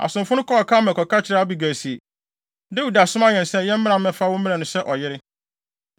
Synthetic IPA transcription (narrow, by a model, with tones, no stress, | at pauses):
a̰˨sʊ̃˨mfʊ˦ʊ̃˦kʰɔ˦ɔ˨kʰa˦mɛ̃˨kʰɔ˨ka˦t͡ɕʰɪ˨ɾa˦a˦bi˨ɡæ˨si˨e˨ | dɛ˦wu˨da˨sʊ̃˦ma˦ɲɛ̃˨n˨sɛ˦jɛ˦m̩˦mɪ̃˦ã˨mmɛ̃˨fa˦wʊ̃˦m˦mĩ˦ã˨nʊ̃˨˦sɛ˦ʔɔ˨jɪ˦ɾɪ˦